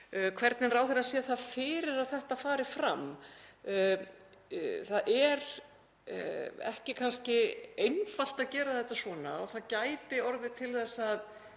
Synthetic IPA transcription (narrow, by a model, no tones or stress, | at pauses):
kʰvɛɾt̪nɪnraːwθɪɾasɛːθaðfɪːɾɪɾaðθɛht̪afaːɾɪfɾam | θaðʔɛɾ̰ | ɛ̰hcɪkʰanscɪejnfal̥t̪aðcɛːɾaðθɛht̪ːasvɔːna̰ɔ̰ɣθaðcaːjt̪ɪɔɾðɪt̪ʰɪlθɛsːað